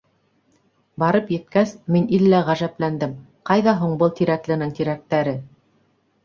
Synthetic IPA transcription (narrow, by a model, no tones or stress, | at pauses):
bɑɾɤpjɘ̆t̪̚kæsminilːæʁæʒæplænd̪ɘm | qɑjðɑɦuɴbɤlˠt̪iɾæklɘ̆nɘŋt̪iɾæk̚t̪æɾɘ